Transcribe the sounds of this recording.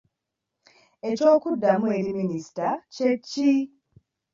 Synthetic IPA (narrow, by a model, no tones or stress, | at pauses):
e̞co̞ːkudːamue̞ɾiminisi̥tace̞cːi